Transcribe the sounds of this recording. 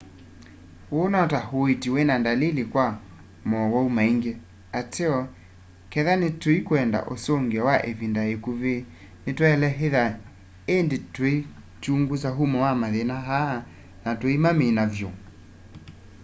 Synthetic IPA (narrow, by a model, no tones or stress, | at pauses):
onɔtahoetiwenandalilikwa | mɔwɔumaiŋɡe | ateɔ | kɛðanetwoikwɛnda̰ʔosoŋɡeɔwaʔevindaekuβe | netwɛlɛɦeða | endetwi | t͡ʃuŋɡus̬aɦumɔwamaðenaɦaa | natwimamenavjo